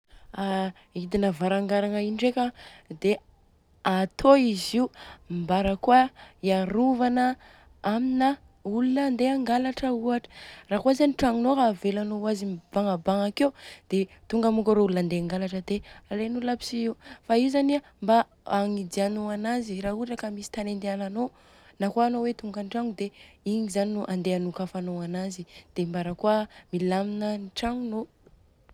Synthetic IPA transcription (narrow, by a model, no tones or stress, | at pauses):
a | id̪inəvaɾaŋɡaɾaŋainiɖ͡ʐekad̪e | at̪ʰoiziumbaɾakuaiaɾuvanə | aminə | ulunənd̪eaŋɡalaʈ͡ʂəuaʈ͡ʂə̥raːkuazaniʈ͡ʂaŋinoɦaːvelanowazib̥aŋəbaŋakeud̪̥e | t̪uŋɡamukʲaɾoululand̪eaŋɡalaʈ͡ʂəd̪ealenuləpi̥sifaiwzania | mba | aŋid͡ʒ̪ianoanaziɾaɦuʈ͡ʂakəmisi̥t̪anend̪eanano | nakoanowet̪uŋɡanʈ͡ʂaŋud̪eiɲizaninuʔand̪eanukafanoanazid̪̥embaɾakuəmilaminəniʈ͡ʂaŋuno